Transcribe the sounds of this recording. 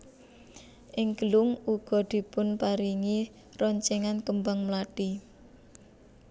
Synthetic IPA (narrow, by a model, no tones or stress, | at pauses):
ʔɪŋɡəlʊŋuɡ̥ɔ̤d̪̥i̤pʊnpaɾiŋi | rɔɲt͡ʃɛŋankəmbaŋmlaɖ̥i